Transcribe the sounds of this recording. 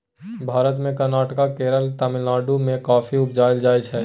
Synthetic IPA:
bʱaːɾət̪mẽkəɾnaːʈəkakeːɾəlt̪amɪlaːɖumẽkaːfʰiʊpd͡ʒaːɪld͡ʒaːjt͡ʃʰɛ

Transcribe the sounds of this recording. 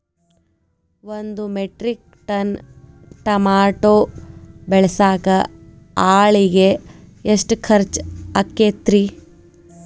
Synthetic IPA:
ʋond̪umeʈɾik̚ | ʈɐn | ʈɐmaːʈoːbɛɭɐsaːkɐ | aːɭiɡeː | ʂʈkʰɐɾt͡ʃɐkːet̪ɾi

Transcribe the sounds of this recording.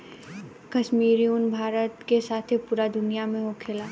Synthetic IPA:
kɐʃmiːɾiuːnbʱaːɾət̪kesaːt̪ʰepuːɾad̪ʊnijamẽɦokʰeːlaː

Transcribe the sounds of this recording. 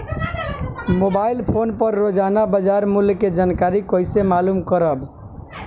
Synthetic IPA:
mobailpʰonpəɾːod͡ʒanabəd͡ʒaɾmuljked͡ʒankaɾikojsemalumkəɾəb

